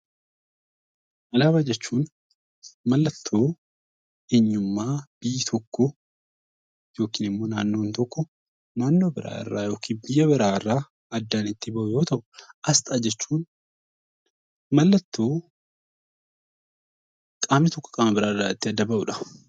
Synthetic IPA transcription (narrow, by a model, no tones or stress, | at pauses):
ʔɐlaːbɐd͡ʒɛt͡ʃːuːn | mɐlːɐt̪ʰːo̞ː | eɲːʊmːaːb̥ɪjt̪ʰɔkːɔ | jo̞ːkiːnɪmːo̞ːnaːnːo̞ːnt̪ɔkːɔ | naːnːo̞ːbɪɾa̰ːɪ̰rːa̰ːjo̞ːkʰiːnbɪjːɐbɪɾaːɪrːaː | ɐd̪ːanɪt̪ːɪbɐʔʊjo̞ːt̪ɐʔʊ̥ʔɐst̪ʼaːd͡ʒɛt͡ʃːuːn | mɐlːɐt̪ːo̞ː | kʼaːmɪt̪ɔkːɔ̥kʼɐmɐbɪɾaːɪrːaːɪt̪ːɪɐd̪ːɐbɐʔʊᶑɐ̥